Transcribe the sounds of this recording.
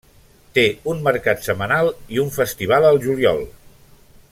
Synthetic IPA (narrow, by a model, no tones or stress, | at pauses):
t̪eunməɾkat̪səmənalˠiuɱfəst̪iβ̞alˠəlˠʒuliɔ̰lˠ